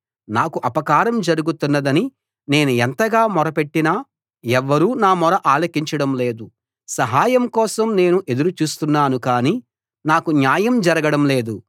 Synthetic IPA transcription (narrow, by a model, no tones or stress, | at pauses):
naːkuʔɐpɐkaːɾɐmd͡ʒɐɾuɡut̪unːɐd̪ɐni | ne̞ːnuɛnt̪ɐɡaːmɔɾɐpe̞ʈːinaː | ɛʋːɐɾuːnaːmɔɾɐʔaːlɐkiɲt͡ʃɐɽɐmleːd̪u | sɐɦaːjɐmkɔːsɐmne̞ːnuʔe̞d̪uɾut͡ʃuːst̪unːaːnukaːniː | naːkunjaːjɐmd͡ʒɐɾɐɡɐɽɐmle̞ːd̪u